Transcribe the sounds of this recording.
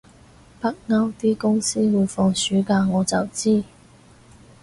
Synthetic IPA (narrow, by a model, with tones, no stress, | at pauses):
pɐ˥k̚ŋɐ˥wt̪iː˥kʊ˥ŋsiː˥wuː˨˧jfɔː˧ŋsyː˨˥kaː˧ŋɔː˨˧t͡sɐ˨wt͡siː˥